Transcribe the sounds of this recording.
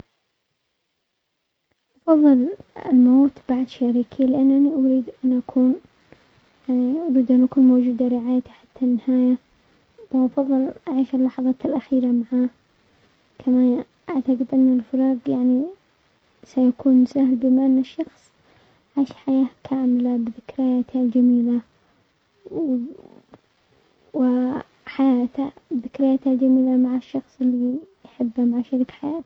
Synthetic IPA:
ʔɑfɑðˤːɨlɪ̰lmoːt̪b̥aʕd̪ʃaɾiːkʰilɪʔanːʔaniʔʊɾiːd̪ʔanʔakʰuːn | jaʕniʔʊɾiːd̪ʔanʔakuːnmoːd͡ʒuːd̪aɾɪʕaːjat̪iħat̪ʰːanːɪhaːja | b̥aʔɑfɑðˤːɨlʔaʕiːʃɪlːɑħɑðˤɑːt̪ɪlʔaxiːɾamaʕaː | kʰama | ʔaʕt̪aqɪd̪ʔɪnːalfɑɾɑːɡjaʕni | sajakuːnmʊsaːhlbɪmaʔɪnːɪʃːɑxsˤ | ʕiːʃħajaːkʰaːmɪlabɪðɪkɾɪjaːt̪ald͡ʒamiːla | w | wɪ | ħajaːt̪abðɪkɾɪjaːt̪hald͡ʒamiːlamaʕaʃːɑxsˤɪlːijħɪbːamaʕʃaɾiːkħajaːt̪

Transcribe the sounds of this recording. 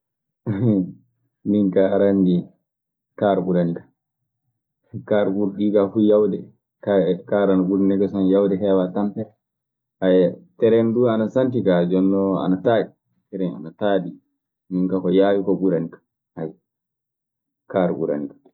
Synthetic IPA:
miŋkaɾandi | kaɾɓuɾanikḁ | kaɾɓuɾɗikafujawdɛ | kakaɾanbuɾanɛɡɛsɔnjawdɛɦɛwatampɛ | ajtɛɾɛnduanasantikad͡ʒɔnːɔa̰nataːɗi | tɛɾɛna̰nataːɗi | miŋkakɔjaːwikɔɓuɾanikḁ | haj | kaːɾɓṵɾa̰nikḁ

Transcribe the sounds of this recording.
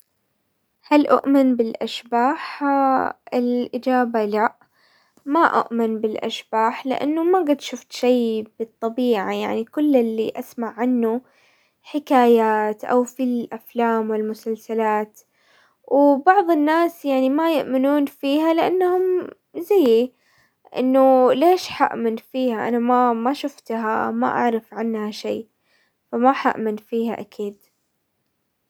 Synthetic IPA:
halʔʊ̰ʔmɪnbɪlʔa̰ʃbaːħ | ɪlʔɪd͡ʒaːbalaʔ | maʔʊ̰ʔmɪnbɪlʔa̰ʃbaːħlɪ̰ʔa̰nːumaɡad̪ʃʊft̪ʃiːbɨt̪ˤːɑbiːʕaja̰ʕnikʊlːɪlːiʔasmaʕːanːu | ħɪkaːjaːt̪ʔa̰wfilʔaflaːmwɪlmʊsalsalaːt̪ | wbɑʕðˤɨnːaːsjaʕnimajʊʔmɪnuːnfiːɦalɪʔanːhʊm | zajːi | ʔɪ̰nːʊleːʃħa̰ʔmɪnfiːhaʔa̰namamaʃʊft̪ɦama̰ʔa̰ʕɾɪfʕɪnːhaʃeː | famaħa̰ʔmɪnfiːha̰ʔakʰiːd̪

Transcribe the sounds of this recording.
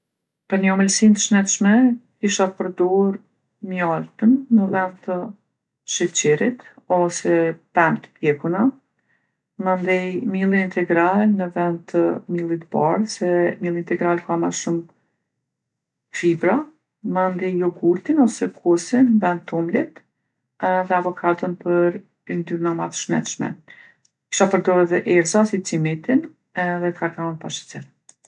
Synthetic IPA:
pəɾɲəɔmɛlsint̪əʃnɛt̪ʃmɛkiʃapəɾd̪ɔɾ | mjɔlt̪ənːəvɛnd̪t̪ə | ʃit͡ɕɛɾit̪ɔsɛpɛnt̪əd̪jɛkuna | mənd̪ɛjmilˠiint̪ɛɡɾalnəvɛnd̪̚t̪əmilˠit̪ba̰ɾsɛmilˠiint̪ɛɡɾalkamaʃum | fibɾa | mənd̪ɛjjɔɡuɾt̪inɔsɛkʰusinvɛnt̪ʰːumlit̪ | ðɛavɔkʰat̪ənpəɾ | ind̪yɾnamaðʃmɛ̰t̪ʃmɛ̰ | ki̥ʃapəɾd̪ɔɛðɛʔɛɾzasit͡simɛt̪in | ɛðɛt̪kakanpaʃɛ̥t͡sɛɾ

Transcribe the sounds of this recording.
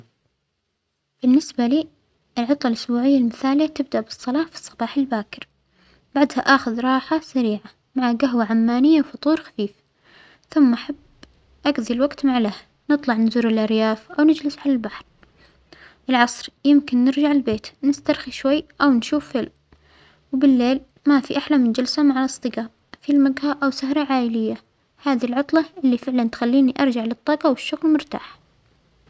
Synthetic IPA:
b̥ɪnːɪsbaliː | ʔɪlʕʊt̪ˤlɑlʔʊsbuːʕɪjːalmɪθaːljːat̪ɪb̚d̪aʔbɨsˤːɑlɑːfi̥sˤːɑbɑːħɪlbaːkɪɾ | baʕd̪haʔaːxʊðɾˤɑːħasaɾiːʕa | maʕaɡaɦwaʕamːaːnɪjːawfʊt̪ˤuːɾxḁfiːf | θʊmːʔaħab | ʔaɡðˤilwaɡt̪maʕlaha | nɨt̪ˤlɑʕnzuːɾɪlʔɑɾjaːfʔawnɪd͡ʒlɪsʕalalbaħɾ | ɪlʕɑsˤɾjɪmkɪnːɪɾd͡ʒaʕɪlbeːt̪nɪst̪ɑɾˤxiʃwajːʔawnʃuːfːɪl | wbɪlːeːl | mafiʔaħlamɪnd͡ʒalsamaʕalʔɑsˤt̪ˤɨɡaːʔ | filmaɡhaʔawsahɾˤɑʕaːʔɪlɪjːa | haːðilʕʊt̪ˤlɑʔɪlːifɪʕlant̪xalːiːniʔɑɾˤd͡ʒaʕlɨt̪ˤːɑːqɑwɪʃːʊɣlmʊɾt̪a̰ːħ

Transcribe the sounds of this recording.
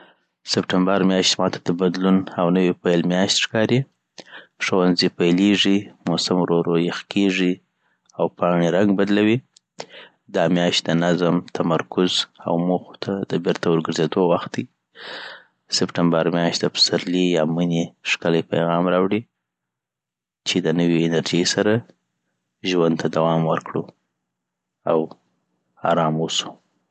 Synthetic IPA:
sɪpʈambaɾmjɑʃt̪mɑt̪ʰad̪əbad̪lunawnəwipajlmjɑʃt̪ʃkɑɾi | ʂəwanzipajleʐimosamɾoɾojexkʰeʐi | awpɑɳiɾaŋɡbad̪lawi | d̪ɑmjɑʃt̪d̪ənazəmt̪ʰamaɾkʊza̰wmoxo̥t̪ʰad̪əbɪɾt̪awəɾɡəɾzed̪owaxt̪̚d̪ij | sɪpʈambaɾmjɑʃt̪d̪əpə̥saɾlijɑməneʂkələjpajɣɑmɾɑwɽi | t͡ʃed̪ənəweːnaɾd͡ʒejsaɾa | ʒwand̪̚t̪ʰad̪awɑmwəɾkɽu | aw | ɑ̰ɾɑmosu̥

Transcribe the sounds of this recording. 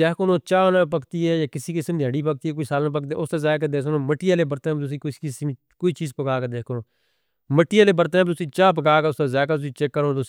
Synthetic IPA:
eːkonoːt͡ʃaːnːpəkt̪iːɦɛːjaːkɪsiːkɪsmd̪iɦəɽiːpək̚t̪iːɦɛːkoisaːlnãp̬əkd̪eːʊst̪aːzaːk̬əd̪eːsnõːməʈːiːaːleːbəɾt̪ːbt̪ʊs̬ĩːkɪs | koːiːt͡ʃiːzpəkaːkəd̪eːkonoː | məʈːiːaːleːbəɾt̪ːɛ̃ːbt̪ʊsĩːt͡ʃaːp̬əkaːkəʊsaːzaːkət̪ʊsĩːt͡ʃekːəɾoːt̪ʊ

